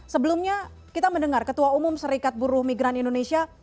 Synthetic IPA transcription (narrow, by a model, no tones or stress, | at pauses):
səbəlumɲa | kit̪aməndəŋarkət̪uaumʊmsəɾikat̪̚buɾʊhmiɡɾanindonesia